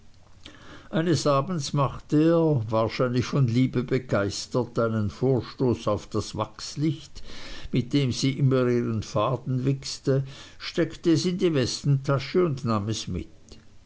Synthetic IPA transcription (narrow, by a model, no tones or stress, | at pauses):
ʔaɪnəsʔaːbn̩smaχtəeːɐvaːɐʃaɪnlɪçfɔnliːbəbəɡ̥aɪstɐtaɪnənfoːɐʃtoːsaʊfd̥asvakslɪçtmɪt̚d̥eːmziːʔɪmɐiːʁənfaːdn̩vɪkstə | ʃtɛktəɛsɪndivɛstn̩tʰaʃəʊndnaːmɛsmɪ̰t